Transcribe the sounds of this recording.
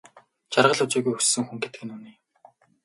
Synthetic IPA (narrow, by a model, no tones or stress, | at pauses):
t͡ɕarʁə̆ɮʊt͡ɕiːɣujɵssɵ̆ŋxuŋɡet̪ɘ̆ɡɘ̆nuːniː